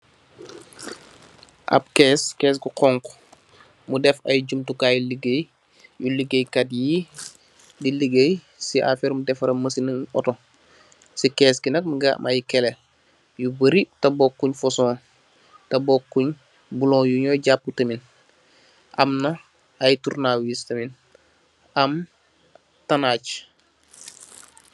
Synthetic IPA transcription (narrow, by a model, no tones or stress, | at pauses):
ʔa̰p̚keskeːs̬ɡuqɔŋk | mudɛfajɟumtukaːjuliɡej | juliɡejkatji | diliɡej | siʔa̰feɾmudɛfɐɾɐməsinəɔ̰to | sikeːsɡinɐk̚miɡaʔmʔajikelel | jubəɾitabokːuɲfosõː | tɐbokːuɲ | bulõːjuɲoːɟap̚ːutəmin | ʔa̰mno | ajtuɾnawistɐmin | am | tanaːt͡ʃ